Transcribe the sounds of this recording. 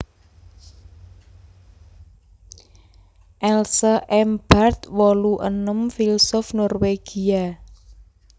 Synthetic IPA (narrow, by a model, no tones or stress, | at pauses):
ʔɛlsəʔɛmb̥art̪wɔluʔə̰nəmfilsɔfnɔrweɡ̥ia